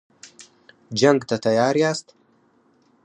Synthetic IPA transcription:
d͡ʒaŋɡt̪at̪ajɑːɾjaːst̪

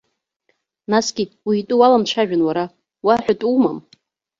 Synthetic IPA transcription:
nasɡʲiwiitʼuwalamt͡ʃʷʰaʒᶣanwaɾa | waħʷᶣatʼuma̰m

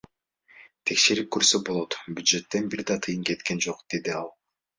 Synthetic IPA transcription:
t̪ʰe̞kʃe̞ɾip̚køɾsøbo̞lˠo̞t̪bʲyd̪ʒe̞t̪ːe̞nbiɾd̪ɑt̪ʰɯjɯnke̞t̪ke̞nd͡ʒo̞qd̪̥e̞d̪iɑlˠ

